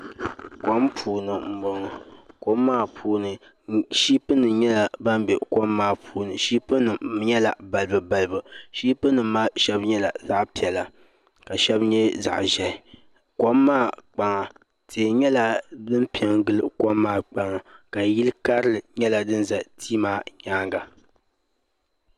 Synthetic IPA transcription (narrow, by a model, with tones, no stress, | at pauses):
kʷɔ˦mpʰuː˨nɨ˨m̩˨bɔ˨ŋɨ˨kɔ˦mːaː˦pʰuː˦nɨ˨ | ʃi˦pɨ˦nːɨ˨ɲɛ˦la˨ba˦mbɛ˨kɔ˦mːaː˦˨pʰuː˦nɨ˨ʃiː˦pɨ˦nɨ˨ɲɛ˦la˨ba˨lɨ˦bɨ˨ba˨lɨ˨bɨ˨ʃi˦pɨ˦nɨ˨m˦ma˦ʃɛ˦bɲɛ˦la˨za˦ʔpi˨ɛ˨la˨ | ka˨ʃɛ˦bɲɛ˦za̰˨ʔʒɛ˨ | ko˦mːaː˦˨k͡pa˨ŋa˨ | tʰeː˨ɲɛ˦la˦dɨ˦mpi˨˦ɛ˨˦ŋ˦ɡɨ˦lɨ˨ko˦mːaː˦˨k͡pa˨ŋa˨ka˨ji˦lɨ˦ka˦ɾɨ˦lɨ˨ɲɛ˦la˨dɨ˦nza˨tʰi˦maː˦ɲaː˦ŋɡa˨